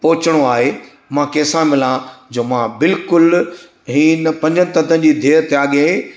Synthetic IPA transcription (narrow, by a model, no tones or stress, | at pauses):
pɔːɪt͡ɕəɽ̃oaːɦe | mãkeːsãmɪlãd͡ʑoːmãbɪlkʊl | ɦiːnpɐ̃ɲd͡ʑənɪ̆t̪ɐ̃t̪ʰə̃nd͡ʑiːd̪ʱeːɾt̪eaːɠe